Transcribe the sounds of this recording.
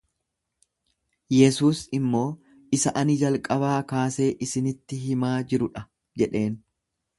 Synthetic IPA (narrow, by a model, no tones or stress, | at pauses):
jɛsuːsɪmːo̞ː | ɪsɐʔɐnɪd͡ʒɐlkʼɐbaːkaːse̞ːʔɪsɪnɪt̪ːɪɦɪmaːd͡ʒɪɾʊᶑɐ | d͡ʒɛᶑe̞ːn